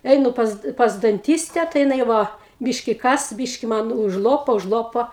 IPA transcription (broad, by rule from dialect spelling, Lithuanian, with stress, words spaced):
ˈɛɪnʊ pɐs pɐs dɐnʲˈtʲiːsʲtʲɛ tɐɪ jɪˈnɐɪ ˈʋɐ ˈbʲiːʃʲkʲɪ ˈkɐs ˈbʲiːʃʲkʲɪ ˈmɐn ʊʒˈlˠoːpoː ʊʒˈlˠoːpoː